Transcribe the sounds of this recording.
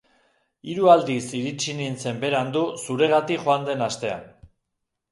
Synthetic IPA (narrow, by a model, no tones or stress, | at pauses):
iɾuald̪isiɾit͡ʃinint͡se̞mbe̞ɾand̪usuɾe̞ɣ̞at̪ikʝo̞and̪e̞nast̪e̞a̰n